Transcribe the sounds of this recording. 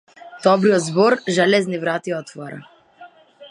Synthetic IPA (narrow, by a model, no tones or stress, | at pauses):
d̪̥ɔbɾijɔd̪zbɔɾʒɛlɛznivɾat̪iɔt̪vɔɾa̰